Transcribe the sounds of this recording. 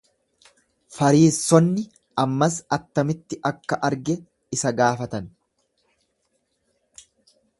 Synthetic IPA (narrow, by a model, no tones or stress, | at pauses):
fɐɾiːsːɔnːɪ | ʔɐmːɐsɐt̪ːɐmɪt̪ːɪʔɐkːɐʔɐɾɡɛ | ɪsɐɡaːfɐt̪ɐn